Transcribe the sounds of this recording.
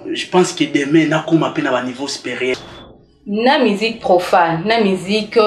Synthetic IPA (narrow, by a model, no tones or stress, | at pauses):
ʒepɑ̃skədɛmɛ̃nakumapenabanivosi̥peʁjɛʁ | namizik̚pʁofannamizik